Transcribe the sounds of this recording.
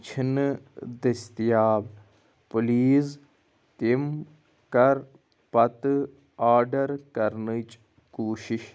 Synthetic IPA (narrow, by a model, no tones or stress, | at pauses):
t͡ʃʰinɨd̪ɐst̪jaːb | pʊliːz | t̪im | kɐɾ | pɐt̪ | aːɾɖɐɾkɐɾnɨt͡ʃ | kuːʃiʃ